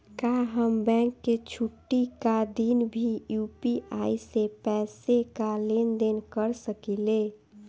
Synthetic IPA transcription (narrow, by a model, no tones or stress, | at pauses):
kaɦəmbɛ̃ŋkːet͡ʃʰuʈːikad̪inbʱijupiʔaisepɛːsekalend̪enkəɾsəkile